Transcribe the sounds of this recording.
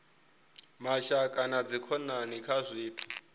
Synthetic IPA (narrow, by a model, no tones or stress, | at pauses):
maʃakʼanad͡zikʰɔnanikʰazʷiːtʰu̥